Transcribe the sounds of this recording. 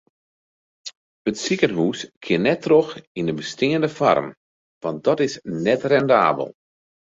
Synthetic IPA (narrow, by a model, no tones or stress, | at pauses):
ətsikənɦuːskʰɪənɛtroxindəbəstɪŋəndəfɔ̰rm | ʋɑnt̚dɔtɪsnɛtrɛnda̰ːbə̰lˠ